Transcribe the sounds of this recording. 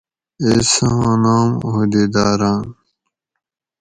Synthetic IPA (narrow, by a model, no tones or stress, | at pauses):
eːsɐãnaːmod̪eːd̪aːɾãːn